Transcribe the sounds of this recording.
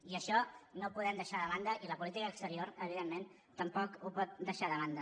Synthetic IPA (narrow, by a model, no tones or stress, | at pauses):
iəʃɔnopuðɛmd̪əʃaðəβand̪əʔiləpulit̪ikəːkst̪əɾioɾəβ̞iðemːen | t̪əmpɔkupɔt̪̚d̪əʃaðəβand̪ə